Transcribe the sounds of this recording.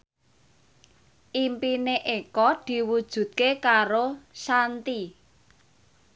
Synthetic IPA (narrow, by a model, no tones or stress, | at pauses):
ʔimpineʔekɔd̪̥i̤wud̥ʒ̥ṳt̪̚kekaɾosant̪i